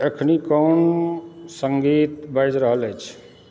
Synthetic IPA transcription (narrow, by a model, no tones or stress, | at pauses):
ekʰnikɔnsəŋɡit̪bajd͡ʒɾəɦələjt͡ʃʰ